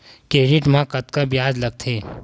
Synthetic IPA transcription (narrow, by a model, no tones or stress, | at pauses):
keːɾɪʈmãkɐt̪kabjaːd͡ʒlɐɡ̚t̪ʰeː